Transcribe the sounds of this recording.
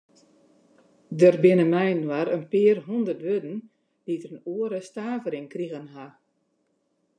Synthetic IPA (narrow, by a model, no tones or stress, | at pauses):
dərbɪnəmɛjnwaɾənpɪərɦundərtʋødn̩ | d̥itərənuəɾəstaːvəɾɪŋkriɣənɦa